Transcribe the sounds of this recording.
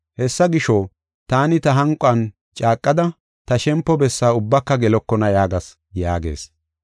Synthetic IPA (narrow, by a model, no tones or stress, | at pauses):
hɛsːɐɡɪʃɔ | t̪aːnɪt̪ɐɦɐŋkʼʊɐn | t͡ʃʼaːkʼːɐd̪ɐ | t̪ɐʃɛmpːɔbɛsːaːʊbːɐkːɐɡɛlɔkːɔnɐjaːɡɐs | jaːɡḛːs